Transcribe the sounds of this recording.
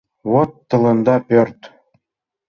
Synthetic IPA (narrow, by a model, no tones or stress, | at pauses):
βot̪ːɤ̆lɤ̆nd̪ɑpʲørt̪